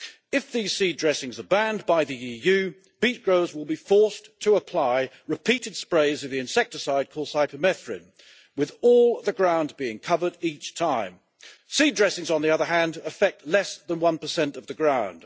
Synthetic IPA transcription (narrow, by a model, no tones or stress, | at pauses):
ɨfðiz̥sidɹɛsɪ̃ŋzə˞bæ̃nbaɪðiijʉ | b̥it̚ɡ̥ɹoʊzwəlˠbifɔɹstʰəəpʰl̥aɪ | ɹɨpʰiɾɨd̥spɹeɪzʌvðiɨ̃nsɛk̚tə˞saɪd̚kʰɔsaɪpɨmɛθɹɨ̰̃n | wɨðɔlˠðɨɡɹãʊ̃nbiɪ̃ŋkʰʌvə˞ɾit͡ʃtʰãɪ̃m | sidɹɛsɪ̃ŋzn̩ðiʌðə˞ɦæ̃ndɨfɛk̚tʰˡlɛsðə̃nwʌ̃npəsɛ̃ntʌvðɨɡɹãʊ̃nd̥